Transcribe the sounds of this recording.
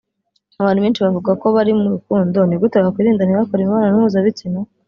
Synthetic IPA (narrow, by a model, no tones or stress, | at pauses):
aβaːn̤̥uβeːnt͡ʃiβavuɡako̞βaɾimuɾukuːndo̞niɡutaβɡakwiːɾiːndaniβakoɾimuβaːnanuhuzaβitina